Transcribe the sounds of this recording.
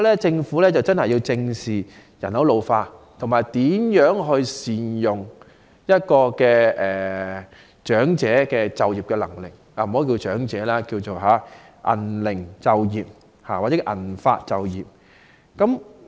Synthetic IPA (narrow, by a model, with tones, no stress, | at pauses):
lɛː˥t͡sɪ˧ŋfuː˨˥lɛː˥t͡sɐ˨wt͡sɐ˥nhɐ˨jːi˧wt͡sɪ˧ŋsiː˨˩ | jɐ̰˨˩nhɐ˨˥wlo˨wfaː˧tt̪ʰŋmaː˨˩jt̪iː˨˥mjœː˨˥ŋɦɵ˧ɥsiː˨˩njʊ˨ŋ | jɐ˥t̚kɔː˧kɛː˧ʔɛː˨˩ | t͡ʃœː˨˥ŋt͡sɛː˨˥kɛː˧t͡sɐ˨wjiː˨p̚kɛ˧lɐ˨˩ŋlɪ˨˩k̚aː˧m̩˨˩o˨˥ki˧t͡ʃœː˨˥ŋt͡sɛː˨˥laː˥ki˧wt͡so˨wɦaː˨˥ | ʔɐ̰˨˩nlɪ˨˩ŋt͡sɐ˨wjiː˨p̚ | haː˨wa˨t͡sɛː˦˥ʔɐ̰˨˩nfaː˧t̚t͡sɐ˨wjiː˨p̚ | kɐ˨˥m